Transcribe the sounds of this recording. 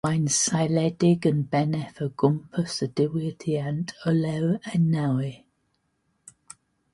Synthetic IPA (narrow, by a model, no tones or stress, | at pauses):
ãɪ̃nsaɪlɛdɪɡə̃nbɛnɛfəɡ̥ʊmpʰəsəd̥ɪwiətʰiantʰəlɛwanːawɪ